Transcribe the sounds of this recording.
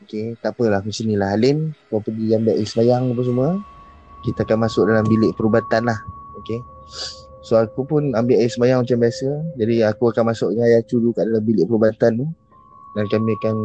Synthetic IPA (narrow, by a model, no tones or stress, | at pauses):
oket̪apəlahkəsənilaɦalɪnkapəɡiambɪʔajasəmajaŋap̬əs̬əmuə | kit̪aakanmasʊk̚dalambilɪʔpəɾubat̪anlahoke | soakupʊnambɪʔajaʔsəmajaŋmat͡ʃambiasəd͡ʒadiakuakanmasʊʔ̚ɲəajat͡ʃudukaʔdalambilɪʔpəɾubat̪ant̪u | dankamĩakan